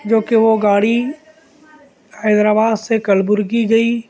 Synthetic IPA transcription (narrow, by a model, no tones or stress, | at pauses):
d͡ʒoːkeʋoɡaːɽi | həːd̪ɾaːbaːd̪sekɐlbʊɾɡiɡɐiː